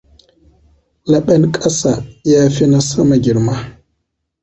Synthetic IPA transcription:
la˨ɓa˦nkʼa˦sa˨ja˦fi˦na˦sa˦ma˨ɡʲi˨ɾma˦

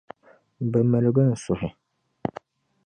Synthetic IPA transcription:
bɐ˨mɛ˨lɨ˦ɡɨ˦n̩˨sʊ˨ɦɪ˨

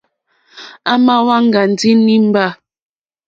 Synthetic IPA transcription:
a˦ma˦wa˦ŋ̩˦˨ɡa˨n̩˨di˦ni˦m̩˦ba˦˨

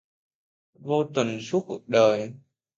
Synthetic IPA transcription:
vo˧t̪wə˨˩nsu˦˥t̚kṵ˨˩ək̚ɗəː˨˩j

